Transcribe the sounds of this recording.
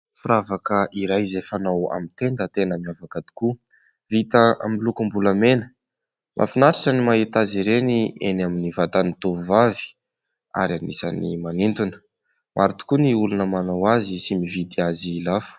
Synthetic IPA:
fuɾavakəʔiɾajzefanawa̰mint̪end̪ət̪enəmiavakad̪i̥ku | vit̪əa̰milukumbulamenə̥ | mʔa̰finaʈ͡ʂaʈ͡ʂənimaɦit̪aziɾenienaminivat̪anit̪uvuvavi̥ | a̰ɾianisa̰nḭmanint̪unə̥ | mʔaɾit̪u̥kuniulunəmanawazisimivid̪iazilafə̥

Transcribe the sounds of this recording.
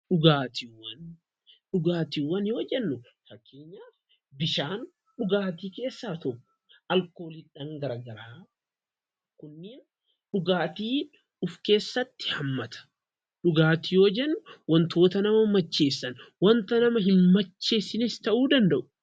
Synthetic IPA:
ᶑʊɡaːt̪iwːɐn | ɗʊɡaːt̪iwːɐnjoːd͡ʒɛnːʊ | fɐkːe̞ːɲːaːf | bɪʃaːn | ɗʊɡaːt̪iːke̞ːsːaːt̪ɔkːʊ̥ɐlko̞ːlɪᶑɐŋɡɐɾɐɡɐɾaː | kʊnːɪ | ɗʊɡaːt̪iː | ʊfke̞ːsːɐt̪ːɪ̥hɐmːɐt̪ɐ̥ | ᶑʊɡaːt̪ijoːd͡ʒɛnːʊwɐnt̪o̞ːt̪ɐnɐmɐmɐt͡ʃːe̞ːsːɐnwɐnt̪ɐnɐmɐɦɪnmɐt͡ʃːe̞ːsːɪnɪst̪ɐʔuːd̪ɐnd̪ɐʔʊ̥

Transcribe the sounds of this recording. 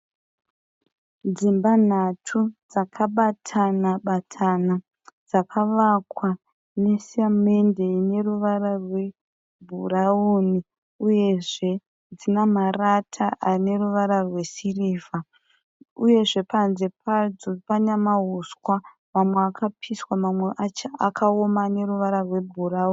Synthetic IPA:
d͡zimban̤atʰud͡zakʰaɓatʰanaɓatʰana | d͡zakʰaʋakwa | ne̞siame̞nde̞ine̞ruʋaɾarwe̞ | bʱurauni | uje̞ʐe̞ | d͡zinamaratʰaʔane̞ruʋaɾarwe̞siriːva | uje̞ʐe̞panzepʰad͡zopaɲamaɦuskwa | mamweakapʰiswamamweʔaakʰaomaːne̞ruʋaɾarwe̞bʱurauːn

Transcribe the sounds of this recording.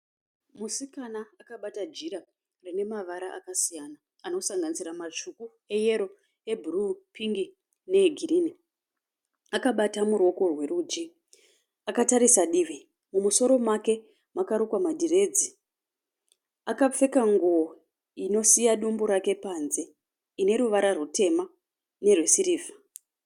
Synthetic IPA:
musikanaːkaɓatad͡ʒiɾa | rine̞maʋaɾaʔa̰kasijana | ano̞saŋɡanisiramat͡ʂuku | e̞je̞ɾo̞ | e̞bʱurupʰiŋɡi | ne̞ɡʱiriːni | akaɓatamurwo̞ko̞rwe̞rud͡ʒi | akataɾisaɗiʋi | mumuso̞ɾo̞make̞ | makaɾokwamadʱire̞d͡zi | akap͡fe̞kaŋɡuo | ino̞sijaɗumbuɾake̞panze̞ | ine̞ɾuʋaɾarute̞ma | ne̞rwesiɾiːva

